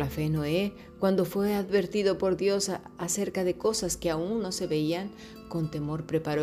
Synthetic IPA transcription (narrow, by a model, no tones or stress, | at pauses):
lafenoe | kwand̪o̞fwe̞aðβe̞ɾt̪iðo̞po̞ɾðjo̞s | ase̞ɾkaðe̞ko̞saskeaunːo̞se̞βeiaŋ | ko̞nt̪e̞mo̞ɾpɾe̞paɾo